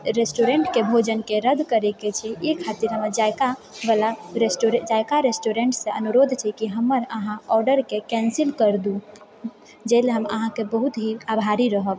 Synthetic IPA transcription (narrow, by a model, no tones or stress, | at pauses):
ɾesʈoɾeɳʈkebʱod͡ʒənkeɾəd̪ʱkəɾeket͡ʃʰɛekʰat̪iɾɦəməɾd͡ʒajkabalaɾesʈoɾed͡ʒajkaɾesʈoɾeɳʈsẽənuɾod̪ʱt͡ʃʰɛkiɦəmːəɾəɦãɔɾɖəɾkekɛ̃nsilkəɾd̪ũ | d͡ʒeleɦəmə̰ɦãkebəɦut̪ɦiabʱaɾiɾəɦəb